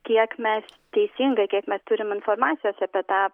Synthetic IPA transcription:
kʲiɛkmʲɛs | t̪ʲɛɪsʲiŋɡɐkʲiɛkmʲɛst̪ʊɾʲɪmɪnfoɔɾmɑːt̪sʲɪjoːsɐpʲɛt̪ɑː

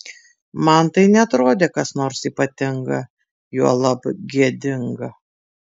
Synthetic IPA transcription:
mɐnt̪ɐɪnʲɛɐt̪ɾoːd̪ʲeːkɐsnoːɾsiːpɐt̪ʲɪŋɡɐ | juɔlˠɐpɡʲiɛd̪ʲɪŋɡɐ

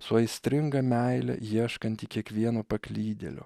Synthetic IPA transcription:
sʊɐɪsʲt̪ʲɾʲɪŋɡɐmʲæɪlʲɛ̰jiɛʃkɐnʲt̪ʲikʲiɛkʋʲiɛnopɐklʲiːd̪ʲɛ̰lʲʊ̰

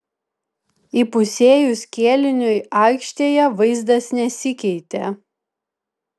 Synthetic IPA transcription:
ipʊsʲeːjʊsʲkʲeːlʲɪnʲʊjɑˑɪkʃʲt̪ʲeːjɛʋɐɪzd̪ɐsnʲɛsʲɪkʲɛɪt̪ʲe

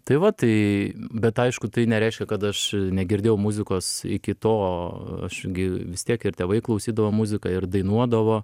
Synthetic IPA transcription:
t̪ɐɪʋɐt̪ɐɪbʲɛt̪ɐɪʃkʊt̪ɐɪnʲɛɾʲɛɪʃʲkʲɛkɐt̪ɐʃnʲɛɡʲɪrʲdʲeːjɛʊmʊzʲɪkoːsɪ̰kʲɪt̪oːɐ̰ʃɡʲɪʋʲɪst̪ʲiɛkɪrt̪ʲeːʋɐɪklˠɐʊsʲiːd̪ɐʋoːmʊzʲɪkɑɪrd̪ɐɪnuɔd̪ɐʋoː

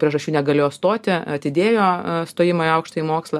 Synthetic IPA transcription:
pʲɾʲiɛʒɐʃʲt͡ʃʲuːnʲɛɡɐlʲejoːst̪oːt̪ʲɪɐt̪ʲɪd̪ʲeːjoːst̪oːjɪmoːɪɐʊkʃt̪oːimoːkslˠɐ

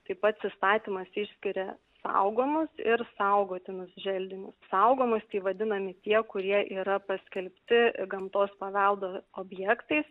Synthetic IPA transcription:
t̪ɐɪpɐt̪sʲɪst̪ɑːt̪ʲimɐsɪʃʲsʲkʲɪɾʲɛ | sɐ̰ʊɡoːmʊsɪɾsɐʊɡoːt̪ʲɪnʊsʒʲɛlʲd̪ʲɪnʲʊssɐʊɡoːmʊst̪ʲɐɪʋɐd̪ʲɪnɐmʲɪt̪ʲiɛkʊɾʲiɛʔiːɾɐpɐsʲkʲɛlʲpʲt̪ʲɪɡɐmt̪oːspɐʋʲɛlˠd̪oːoːbʲjɛkt̪ɐɪs

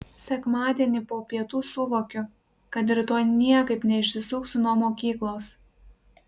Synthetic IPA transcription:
sʲɛkmɑːd̪ʲiɛnʲiːpoːpʲiɛt̪uːsʊʋoːkʲʊ | kɐt̪̬ɪɾt̪oːjnʲiɛkɐɪpnʲɛɪʃʲsʲɪsʊːksʲʊnuɔmoːkʲiːklˠoːs

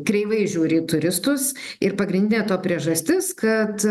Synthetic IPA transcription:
kɾʲɛɪʋɐɪʒʲuːɾʲɪt̪ʊɾʲɪst̪ʊs | ɪɾpɐɡɾʲɪnd̪ʲɪnʲeːt̪oːpʲɾʲiɛʒɐsʲt̪ʲɪskɐt̪

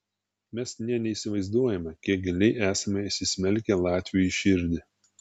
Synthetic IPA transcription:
mʲɛsnʲɛnʲɛiːsʲɪʋɐɪzd̪uɔjɛmʲɛkʲiɛk̚ɡʲɪlʲɛɪʔæːsɐmʲɛisʲɪsʲmʲɛlʲkʲɛlˠɑːt̪ʲʋʲijiʃʲɪɾʲd̪ʲɪ

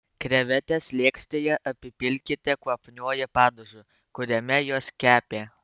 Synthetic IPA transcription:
kɾʲɛʋʲæt̪ʲɛslʲeɛksʲt̪ʲeːjɛʔɐpʲɪpʲɪlʲkʲɪt̪ʲɛkuɔpʲnʲuɔjɛpɑːd̪oʒʲʊ | kʊɾʲɛmʲɛjoːskʲæːpʲeː

